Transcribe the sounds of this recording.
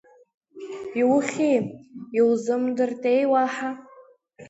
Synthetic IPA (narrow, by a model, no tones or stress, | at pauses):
iwχʲejiwzɨmdɨrtʼejwaħa